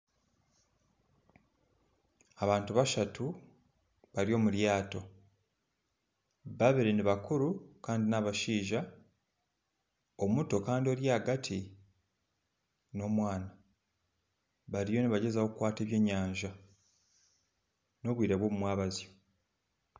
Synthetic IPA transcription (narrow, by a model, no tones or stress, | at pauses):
aβaːntuβaʃatʰu | βaɾjo̞ːmuljaːto̞ | baβeɾeneβakuɾukaːndinaβaʃiːʒa | omuto̞kaːndio̞ːɾjaːɡatʰi | no̞ːmwaːna | βaɾijo̞neβaɟe̞zawo̞kukwaːte̞ːβje̞ːɲːaːɲʒa | no̞ːβwiːɾaβwo̞ːmumwaːβazijo